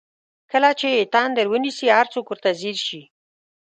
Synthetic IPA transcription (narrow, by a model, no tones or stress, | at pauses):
kəlat͡ʃeːt̪ɑnd̪əɾwənisihaɾt͡sokwəɾt̪aziɾʃi